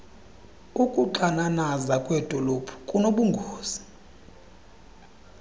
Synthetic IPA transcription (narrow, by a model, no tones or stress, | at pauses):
ukʼuǃananazakʼwɛd̥ʱɔlopʰu̥kʼunoɓuŋɡʱoːz̥i